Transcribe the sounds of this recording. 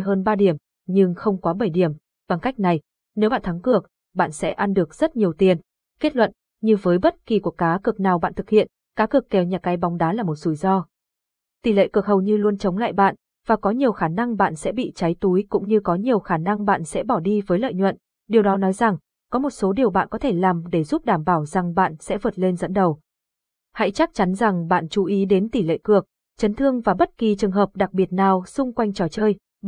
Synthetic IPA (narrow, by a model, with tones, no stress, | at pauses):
jɦəː˧nɓaː˧ɗi˧˩əm | ɲɨ˧ŋxə˧wŋ͡mkɔ˨˦ɓə˧˩jɗi˧˩əm | va˨˩ŋka˦˥jk̟̚na˨˩j | ne˨˦wɓa̰ː˧˨t̪ʰa˨˦ŋkɨ˨˩ək̚ | ɓa̰ː˧˨nsɛ̰˧˥ʔa˧nɗɨ˨˩ək̚z̥ə˦˥t̚ɲi˨˩əwt̪i˧˩ən | ke˦˥t̚lwə̰˧˨n | ɲɨ˧vəː˨˦jɓə˦˥t̚ki˨˩ku˧˩əkaː˨˦kɨ˨˩ək̚naː˨˩wɓa̰ː˧˨nt̪ɨ˨˩k̚hḭ˧˨ən | kaː˨˦kɨ˨˩əkːɛ˨˩wɲaː˨˩ka˨˦jɓa˨˦wŋ͡mɗaː˨˦laː˨˩mo˨˩t̚z̥u˧˩jzɔ˧ | t̪i˨˧˩lḛ˧˨kɨ˨˩ək̚ɦə˨˩wɲɨ˧lu˧ənt͡ɕə˨˦wŋ͡mla̰ː˧˨jɓa̰ː˧˨n | vaː˨˩kɔ˨˦ɲi˨˩əwxaː˧˩na˧ŋɓa̰ː˧˨nsɛ̰˧˥ɓḭ˧˨t͡ɕa˨˦jt̪u˨˦jkʊ̰˧˥ŋ͡mɲɨ˧kɔ˨˦ɲi˨˩əwxaː˧˩na˧ŋɓa̰ː˧˨nsɛ̰˧˥ɓɔ˧˩ɗi˧vəː˨˦jlə̰ː˧˨jɲwə̰˧˨n | ɗi˨˩əwɗɔ˨˦nɔ˨˦jza˨˩ŋ | kɔ˨˦mo˨˩t̚so˨˦ɗi˨˩əwɓa̰ː˧˨nkɔ˨˦t̪ʰe˧˩laː˨˩mɗe˧˩zu˦˥p̚ɗaː˧˩mɓaː˧˩wza˨˩ŋɓa̰ː˧˨nsɛ̰˧˥vəː˨˩t̚le˧nzə̰˧˥nɗə˨˩w | ha̰˧˥jt͡ɕa˦˥k̚t͡ɕa˨˦nza˨˩ŋɓa̰ː˧˨nt͡ɕu˨˦ʔi˨˦ɗe˨˦nt̪i˧˩lḛ˧˨kɨ˨˩ək̚ | t͡ɕə˨˦nt̪ʰɨ˧əŋvaː˨˩ɓə˦˥t̚ki˨˩t͡ɕɨ˨˩əŋɦəː˨˩p̚ɗa˨˩k̚ɓi˨˩ət̚naː˨˩wsʊ˧ŋ͡mkwa˧jŋ̟t͡ɕɔ˨˩t͡ɕəː˧j